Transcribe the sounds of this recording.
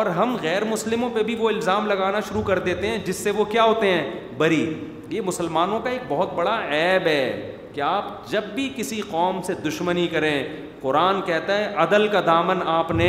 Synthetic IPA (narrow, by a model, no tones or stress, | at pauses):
ɔːɾɦɐmɣɛːɾmʊslɪmõpebʱiʋoɪlzaːmlɐɡaːnaʃʊɾukɐɾd̪eːt̪eɦɛ̃d͡ʒɪsːeʋokjaːɦoːt̪eɦɛ̃ː | bɐɾi | jemʊsəlmaːnõkaeːk̚bɔɦʊt̪̚bɐɽaɛːbɦɛː | keaːpd͡ʒɐbːikɪsiqɔːmsed̪ʊʃmənikɐɾẽː | qʊɾaːnkɛɦt̪aɦɛʔɐd̪əlkad̪aːmənaːpne